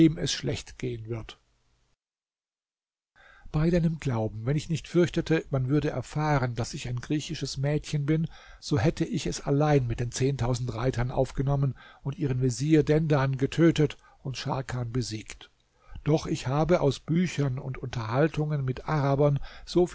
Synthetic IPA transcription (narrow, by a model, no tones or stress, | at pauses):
eːmɛ̰sʃlɛçtɡ̥eːənvɪɐt | b̥aɪdaɪnəmɡlaʊb̚m̩vɛnɪçnɪçtfʏɐçtətʰəmanvʏɐdəʔɛ̰ɐfaːʁəndasɪçaɪnɡʁiːçɪʃəsmɛːtçənbɪn | z̥oːhɛtəʔɪçɛsa̰laɪnmɪt̚d̥eːnt͡seːntʰaʊzn̩tʁaɪtɐnʔa̰ʊfɡ̥ənɔmənʊntʔiːʁ̞ənveziːɐdɛndanɡətʰøːtət | ʊntʃa̰ɐkʰaːnbəziːkt | d̥ɔχɪçhaːbəʔaʊsb̥yːçɐnʊ̰ntʊntʰɐɦaltʰʊŋənmɪtʔaʁabɐnz̥oːf